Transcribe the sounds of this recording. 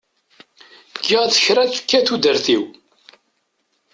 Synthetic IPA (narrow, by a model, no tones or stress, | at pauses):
ɡːiʁðəçɾæθə̥kːæθud̪əɾθiw